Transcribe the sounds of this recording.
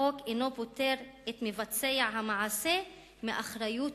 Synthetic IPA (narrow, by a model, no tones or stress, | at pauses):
okenopot̪eɾet̪mevat͡seaɦamaʕase | meʔaχɾaju